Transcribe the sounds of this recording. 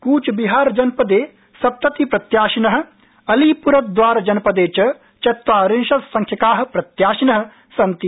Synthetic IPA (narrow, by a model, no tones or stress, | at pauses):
kuːt͡ʃbiɦaːɾd͡ʒɐnpɐd̪eː | sɐp̚t̪ɐt̪ipɾɐt̪jaːʃinɐɦɐ̆ | ɐliːpuɾɐt̪̚d̪ʋaːɾɐd͡ʒɐnɐpɐd̪eːt͡ʃɐ | t͡ʃɐt̪waːɾɪnʃɐssɐ̃ŋkʰjɐkaːɦɐ̆pɾɐt̪jaːʃinɐɦɐ̆ | sɐnt̪i